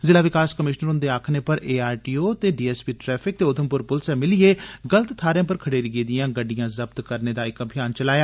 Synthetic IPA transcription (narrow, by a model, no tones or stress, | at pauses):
zɪlaːʋɪkaːskəmɪʃnəɾʊ̃nd̪eːaːkʰneːpəɾeːaːɾʈiːoːt̪eːɖiːɛːspiːʈɾɛːpʰɪk̚t̪eːʊd̪ʰʱəmpʊɾpʊlsɛːmɪlɪeːɡələt̪t̪ʰːaːɾejãːp̬əɾkʰəɽeːɾiɡeːd̪ijãːɡəɖijãːzəbt̪kəɾneːd̪aːɪkəbʱɪjaːnt͡ʃəlaːjaː